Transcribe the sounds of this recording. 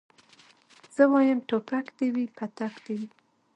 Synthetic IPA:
z̥əwɑjəmʈopakd̪ewipʰat̪akd̪̥ewi

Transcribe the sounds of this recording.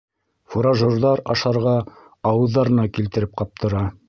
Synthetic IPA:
fuɾɑʒŏrðɑɾɑ̰ʃɑɾʁɑ | ɑwɤ̆ðːɑɾɤ̆nɑkilt̪ɘ̆ɾɘp̚qɑp̚t̪ɤ̆ɾɑ

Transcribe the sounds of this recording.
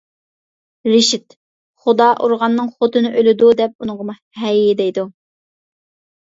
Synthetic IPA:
ɾɪʃɪt̪ | χʊd̪ɑʔuɾʁɑnːɨŋχot̪ʰɨnɨʔølɪd̪ud̪ɛp̚unɨŋʁəmu | hɛjɪd̪ɛjd̪u

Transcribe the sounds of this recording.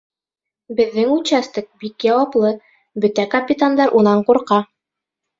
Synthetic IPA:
bɘ̆ðːɘŋʉɕæst̪ɘk̚bikjɑwɑplˠɤ | bɵ̆t̪ækɐpʲit̪and̪ɑɾʔunɑɴquɾqɑ

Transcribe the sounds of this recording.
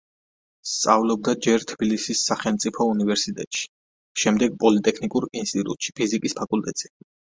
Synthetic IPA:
st̪sʼa̰vlɔb̚d̪ad͡ʒɛɾt̪ʰb̥ilisisːaχɛlmt̪sʼipʰɔunivɛɾsit̪ʼɛ̰t̪ʼʃi̥ | ʃɛmd̪ɛɡ̚pʼɔlit̪ʼɛkʰnikʼuɾinst̪ʼit̪ʼṵt̪ʼʃi̥pʰizikʼispʰakʼulˠt̪ʼɛt̪sʼi

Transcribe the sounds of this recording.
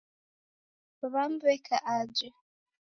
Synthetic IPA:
βam̩bɛkʰaʔad͡ʒɛ

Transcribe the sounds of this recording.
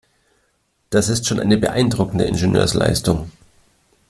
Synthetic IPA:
d̥asɪstʃoːnʔa̰ɪnəbəʔa̰ɪndʁʊkn̩də̰ʔɪ̰nʒɪnø̰ːɐsla̰ɪstʊŋ

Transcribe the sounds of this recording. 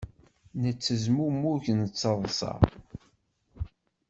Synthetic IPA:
nət͡sːəzmumːuçnət͡sːɑðˤsˤɑ̰

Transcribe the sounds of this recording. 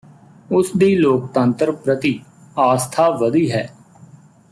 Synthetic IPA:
ʊsd̪iːloːk̚t̪ə̃nt̪əɾpɾət̪iː | aːst̪ʰaːʋəd̪iːɦɛː

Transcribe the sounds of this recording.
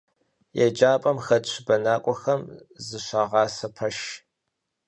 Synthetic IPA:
jɛd͡ʒaːpʼɐmxɐdɕʷʰbɐnaːkʷʼɔxɐmzɨɕʷɑːʁɑːsɐpʰɐʃ

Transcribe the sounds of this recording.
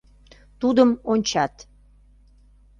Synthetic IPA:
t̪ud̪əmonʲt͡ɕɑt̪

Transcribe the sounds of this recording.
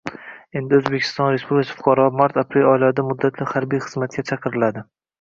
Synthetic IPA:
e̞nd̪ɪɵzbekʲʰɪ̥st̪ɒnɾespublɪksʰḁfʊ̥qʰɑɾɒmaɾt̪ʰapɾe̞lɒɪlad̪amʊd̪ːat̪ʰlɪhaɾbijχɨzmat̪̚kʲʰat͡ʃʰɑqɨɾɪlad̪ɪ

